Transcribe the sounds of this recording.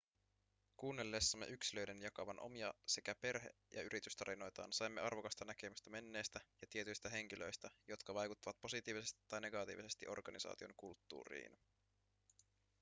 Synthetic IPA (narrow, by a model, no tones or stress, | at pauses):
kuːnːelːeːsːɑmːeʔyksilø̞jdenjɑkɑʋɑnʔo̞̰miɑse̞kæpe̞rɦe̞̰ | jʔɑ̰yɾit̪yst̪ɑɾino̞jt̪ɑ̰ːnsɑjmːe̞̰ɑrʋo̞kɑst̪ɑnækemyst̪ɑme̞nːe̞ːst̪æjɑt̪ie̞t̪yjst̪æɦe̞ŋk̟ilø̞jst̪æjo̞t̪kɑʋɑjkut̪ːɑʋɑt̪̚po̞sit̪iːʋise̞st̪i̥t̪ːɑjne̞ɡɑt̪ḭːʋise̞st̪iʔo̞rɡ̥ɑnisɑ̰ːt̪io̞̰ŋkult̪ːṵːrḭːn